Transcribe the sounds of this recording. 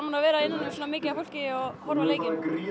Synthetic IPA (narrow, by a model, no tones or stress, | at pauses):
manavɛːɾaɪnːanːʏmsɔːnamɪːcɪafowl̥cɪɔɣhɔɾvaleːjcɪɾi